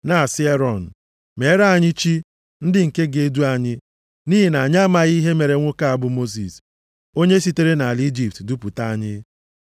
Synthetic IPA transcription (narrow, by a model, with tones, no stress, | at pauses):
na˨sɪ˦e˦ɾɔ˨n̩˨ | me˨˦ɾa˦˨a˦˨ɲɪ˦t͡ʃi˦ | n̩˦dɪ˦ŋ̩˨ke˦ɡe˨˦du˦a˨ɲɪ˦ | ni˦ɦi˨na˨ɲa˦ma˨ɣi˦ɦe˦me˨ɾe˨ŋʷo˦ka˦a˨bʊ˦mo˦s̬ḭ˨s | o˦ɲe˦s̬i˦te˦ɾe˦na˨a˨li˦d͡ʒi˨p̚tdu˦pu˨ta˦a˦ɲɪ˦